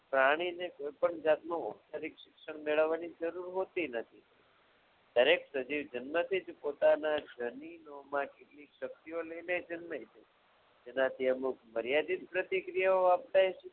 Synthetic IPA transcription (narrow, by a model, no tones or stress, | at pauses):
pɾaɽ̃inekoipəɳd͡ʒat̪nõup̚t̪əɾikʃɪkʃəɳ̃meɭəʋːanid͡ʒəɾuɾɦot̪inət̪ʰi | d̪̥əɾeksəd͡ʒiʋd͡ʒənmət̪ʰid͡ʒpot̪anad͡ʒəninomãkeʈlikʃək̚t̪ioləined͡ʒənməɦit͡ʃʰe | d͡ʒenãt̪ʰiəmukʰməɾjad̪it̪pɾət̪ikɾijaoap̚t̪aet͡ʃe